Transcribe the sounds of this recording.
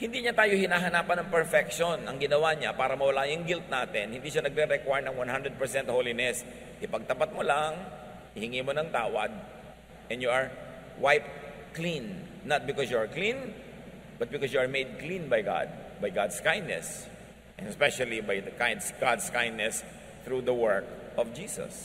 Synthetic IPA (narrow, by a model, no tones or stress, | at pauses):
hɪnd̪iɲat̪aːjohɪnaːɦɐnaːpɐnɐŋpɛɹfɛk̚ʃonʔɐŋɡɪnɐwaɲapaːɾɐmɐwɐlajʊŋɡɪlt̪̚naːt̪ɪnhɪnd̪iːʃanɐɡ̚ɾɛɾɛkwajɹnɐŋwãnhand̪ɾɛd̪̚pɛɹsɛ̃nt̪̚howlinɛs | kɪpɐɡ̚t̪ɐpat̪̚molaŋ | hɪhɪŋimonɐŋt̪aːwɐd̪̚ | ʔɛ̃njuʔɐɹ | wajp̚ | klĩnː | ɐt̪̚bɪkɔsjuaɹklĩn | b̥ɐt̪̚bɪkɔsjuɐɹmejd̪̚klĩnbajɡa̰d̪̚ | bajɡad̪skãjnd̪nɛ̰s | ʔɛ̃nɛspɛʃɐlibajd̪ɐkajd̪sɡ̥ad̪skãj̃nnɛs | θɹud̪ɐwɛɹkʔɔvd͡ʒiːsɐ̰s